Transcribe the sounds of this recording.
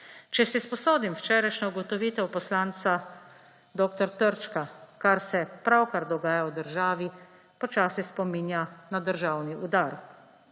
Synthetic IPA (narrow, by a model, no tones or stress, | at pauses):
t͡ʃɛsispɔsoːd̪imwt͡ʃɛːɾajʃnauɡɔt̪ɔʋiːt̪ɛwpɔslaːnt̪sa | d̪oːkt̪ɔɾt̪əɾt͡ʃkakaɾsɛpɾawkaɾd̪ɔɡaːjaɔd̪əɾʒaːʋi | pɔt͡ʃaːsispɔminjanad̪əɾʒaːwniʔud̪aːɾ